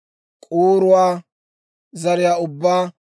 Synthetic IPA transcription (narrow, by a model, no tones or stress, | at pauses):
kʼuːɾʊwaː | zɐɾɪjaːʊbːaː